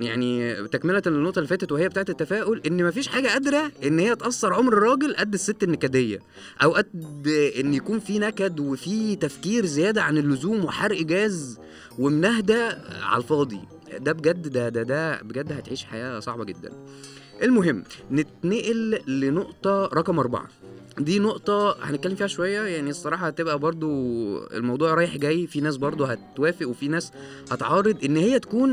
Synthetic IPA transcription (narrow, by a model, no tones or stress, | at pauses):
jaʕnit̪ækmelænːoʔt̪ˤɑlːefæːt̪æt̪wehejːbet̪aːʕet̪et̪ːæfæːʔolʔenːmæfiːʃħaːɡæʔæd̪ɾæʔenːhejːæt̪ʔɑsˤːɑɾˤʕomɾɾˤːɑːɡelʔæd̪ːesːet̪ːænːekæd̪ejːæ̰ | ʔæwʔæd̪̚d̪ʔenːjækuːnfinækæd̪wefiːt̪æfkiːɾzejæːd̪æʕanelːozuːmweħaɾʔɡæːz | wemnæɦd̪æʕa̰lfɑːd̪ˤḭ | d̪æbeɡæd̪ːd̪æd̪æd̪æbeɡæd̪ːhæt̪ʕiːʃħajæːsˤɑ̰ʕbɑɡed̪ːæ̰n | ʔelmoɦemːnet̪neʔelːenoʔt̪ˤɑɾˤɑkɑmʔɑɾˤbɑ̰ʕɑ̰ | d̪iːnoʔt̪ˤɑhæ̰net̪̚kælːemfiːhæʃowæjːæjaʕniesˤːɑɾˤɑːħɑt̪ebʔæbɑɾˤd̪ˤoḛlmɑwd̪ˤuːʕɾˤɑːjeħɡæːjːfinæːs̬bɑɾˤd̪ˤoɦæt̪wæːfeʔwefinæːs | hɑt̪ʕɑːrˤːed̪ˤʔenːhejːæt̪æ̥kuːn